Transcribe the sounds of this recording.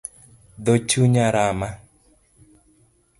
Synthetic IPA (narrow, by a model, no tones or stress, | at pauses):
d̪ot͡ʃuɲaɾama